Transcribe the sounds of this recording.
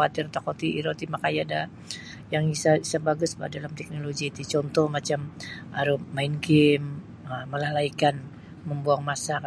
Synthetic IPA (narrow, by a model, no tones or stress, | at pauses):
at̪ɪrt̪akot̪iiɾot̪imakajada | jaŋisaisabaɡʊsba̰dalamt̪ɛk̚noloɡiːt̪ut͡ʃɔnt̪ɔhmat͡ʃamʔaɾumaɪnɡɪm | əməlahlaikan | məmbuaŋmasa